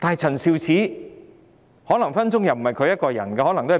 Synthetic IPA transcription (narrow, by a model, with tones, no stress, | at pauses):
t̪aː˨jt͡sʰɐ˨˩nsiː˨˧wt͡sʰiː˨˥ | hɔː˨˥lɐ˨˩ŋfɐ˥nt͡sʊ˥ŋjɐ˨wm̩˨˩mɐ˨jkʰɵ˨˧ɥjɐ˥t̚kɔː˧jɐ̰˨˩nkɛː˧hɔ˨˥lɐ˨˩ŋt̪o˥˨˩